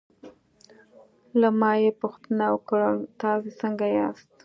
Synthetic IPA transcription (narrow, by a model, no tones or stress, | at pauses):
lamɑjepʊxt̪ənawəkɽat̪ɑzesəŋɡajɑst̪